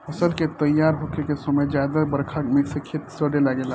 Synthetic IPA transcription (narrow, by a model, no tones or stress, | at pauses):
əsəlket̪əjːaɾɦokekesəməjd͡ʒjad̪əbəɾkʰameksekʰet̪səɖelaɡela